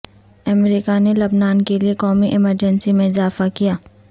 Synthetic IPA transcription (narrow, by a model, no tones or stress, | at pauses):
ɐmɾiːkanelɐbnaːnkeliekɔːmiʔɪməɾd͡ʒə̃nsimẽɪzaːfakijaː